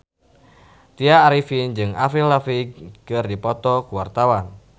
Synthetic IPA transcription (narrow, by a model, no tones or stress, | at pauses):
t̪iaːɾifind͡ʒɨŋafillafiɡkɨrdipɔt̪ɔkuwart̪awan